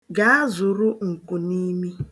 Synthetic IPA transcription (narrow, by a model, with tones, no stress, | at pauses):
ɡa˨a˦zʊ˨ɾʊ˦ŋ̩˨kʊ˨ni˦mi˦